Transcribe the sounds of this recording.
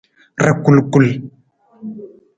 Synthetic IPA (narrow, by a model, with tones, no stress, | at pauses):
ra˨ku˨lku˦˨l